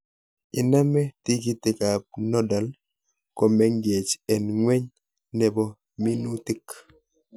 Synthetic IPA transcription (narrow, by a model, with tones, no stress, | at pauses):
i˨na˦mɛ˦ti˦ki˦tɪ˨ka˨p̚nɔ˦da˨l | kɔ˨mɛ˦ŋɡie˨t͡ʃɛ˨nŋwe˦ɲ | nɛ˨bɔ˦ | mi˦nu˦ti˦k